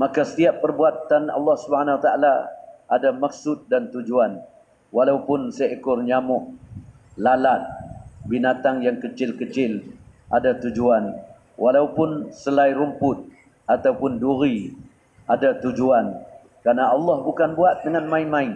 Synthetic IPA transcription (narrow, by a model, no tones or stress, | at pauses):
makasə̥t̪iapːərbuat̪ːanɑ̰lːɑhsubəhanawat̪aalaʔadamak̚sʊt̪̚dant̪ud͡ʒuan | walaupʊnseaʔikʊrɲamʊʔ | lalat̪̚binat̪aŋjaŋkət͡ʃɪlkət͡ʃɪlʔadat̪ud͡ʒuan | wʔalaupʊnsəlaiɾumpʊt̪̚ | at̪awpʊnduɾi | ʔadat̪ud͡ʒuan | kɾanaʔɑlːɑhbukanbuat̪̚dəŋanmaɪnmaɪn